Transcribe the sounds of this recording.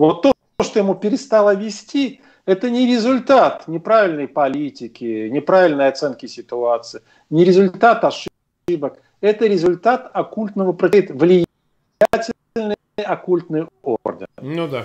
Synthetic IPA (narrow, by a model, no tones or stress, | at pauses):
vot̪ːo | oʂt̪ojɪmupʲɪɾʲɪst̪alˠəvʲɪsʲtʲi | ɛt̪ənʲɪɾʲɪzʊlʲt̪at̪nʲɪpɾavʲɪlʲnəjpɐlʲitʲɪkʲɪnʲɪpɾavʲɪlʲnəjɐt̪sɛnkʲɪsʲɪt̪ʊat̪sɨj | nʲɪɾʲɪzʊlʲt̪at̪ɐʂ | ɨbək | ɛt̪əɾʲɪzʊlʲt̪at̪ɐkulʲt̪nəvəpɾəit̪vlʲɪj | atʲɪ | lʲnɨ | jɐkulʲt̪nɨjo̰rd̪ʲɪ̰nud̪a